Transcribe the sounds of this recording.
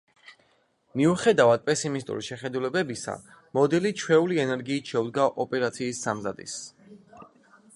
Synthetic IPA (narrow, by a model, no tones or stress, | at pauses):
miuχɛd̪avad̪̚pʼɛsimist̪ʼṵɾiʃɛχɛd̪ulɛbɛbisa̰ | mɔd̪ɛlit͡ʃʰwɛuliɛnɛɾɡiːt̪ʃɛud̪ɡaʔɔpʼɛɾat̪sʰiːsːamzad̪ḭs